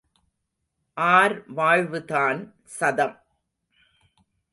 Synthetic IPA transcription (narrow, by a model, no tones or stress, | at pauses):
ʔaːɾʋaːɻʋɯðaːn | sɐðɐm